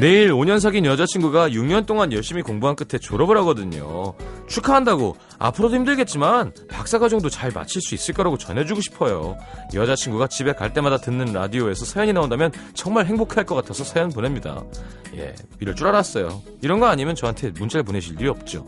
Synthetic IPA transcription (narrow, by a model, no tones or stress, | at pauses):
ne̞iɾoɲʌns̬ʰaɡinjʌd͡ʑat͡ɕʰinɡuɡajuŋɲʌnt͈oŋanjʌɭɕ͈imikoŋbuɦank͈ɯtʰe̞t͡ɕoɾʌbɯɾɦaɡʌdɯɲo̰t͡ɕʰukʰaɦandaɡo | a̰pʰɯɾodoçimdɯɭɡe̞t̚t͡ɕ͈iman | pak̚s͈aɡʰad͡ʑʌŋdot͡ɕaɭma̰t͡ɕʰiɭs͈uis͈ɯɭk͈ʌɾaɡot͡ɕʌnɦe̞d͡ʑuɡoɕʰi̥pʰʌjo̰jʌd͡ʑat͡ɕʰinɡuɡat͡ɕibe̞kaɭt͈e̞madatɯnːɯnɾa̰dioe̞sʰʌsʰajʌɲinaondamjʌnt͡ɕʌŋmaɭɦeŋbokʰeaɭk͈ʌk͈atʰasʰʌsʰajʌnponemɲida̰ | je̞̰ | piɾɯɭt͡ɕ͈uɾaɾas͈ʌjo̰ | iɾʌnɡʌaɲimjʌnt͡ɕʌɦantʰe̞mund͡ʑeɾɯɭp̬one̞ɕʰiɭdiɾiʌp̚t͡ɕ͈o̰